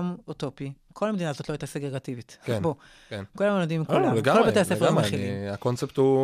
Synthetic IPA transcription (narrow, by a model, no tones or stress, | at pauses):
mut̪opi | kʰo̞lhamed̪inazot̪loajtaseɡʁeɡativit̪kenbo | kenkulamood̪imkolaleɡaolbaejasefʁmeχilimakont͡sept̪u